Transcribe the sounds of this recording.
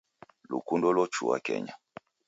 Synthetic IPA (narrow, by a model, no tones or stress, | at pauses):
lukundɔlɔt͡ʃuwa̰kɛ̰ɲa